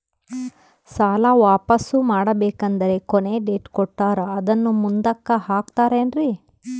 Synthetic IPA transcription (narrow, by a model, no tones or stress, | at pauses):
saːlɐʋaːpɐsumaːɽɐbeːkɐnd̪ɐɾe̞kone̞ɖeːʈkɔʈːaːɾɐːd̪ɐnːumund̪ɐkːɐhaːkt̪aːɾeːnɾi